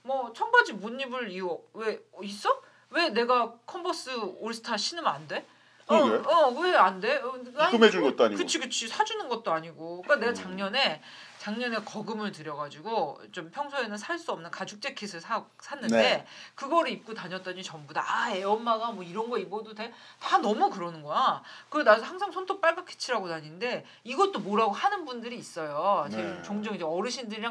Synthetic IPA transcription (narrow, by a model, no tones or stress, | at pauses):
mwʌt͡ɕʰʌŋbad͡ʑimuɲːibɯɭiʌwe̞is͈ʌ | we̞ne̞ɡakʰʌmbʰʌs͈ɯoɭsʰɯ̥tʰaɕʰinɯmande̞ | ʌɡeʌwe̞ande̞aɯmed͡ʑunɡʌt̚t͈oaɲikɯt͡ɕʰikɯt͡ɕʰisʰad͡ʑunɯnɡʌt̚t͈oaɲiɡok͈ane̞ɡat͡ɕaŋɲʌne̞ | t͡ɕaŋɲʌne̞kʌɡɯmɯɭtɯɾjʌɡad͡ʑiɡot͡ɕ͈ompʰjʌŋsʰoenɯnsʰaɭs͈uʌmnɯnkad͡ʑuk̚t͡ɕ͈e̞kʰesʰɯɭsʰa | sʰanːɯnde̞kɯɡʌɾɯip̚k͈otaɲʌt͈ʌɲit͡ɕʌmbuda̰ae̞ʌmːaɡamwʌiɾʌnɡʌimodote | tanʌmukɯɾʌnɯnɡʌjakɯedahaŋsʰaŋsʰʌntʰok̚p͈aɭbakʰe̥t͡ɕʰiɾaɡonaɲinde̞ | iɡʌt͈omoɾaɡohanɯnbundɯɾiːs͈ʌjot͡ɕet͡ɕoŋd͡ʑʌŋid͡ʑe̞ʌɾɯɕʰindɯɾiɾa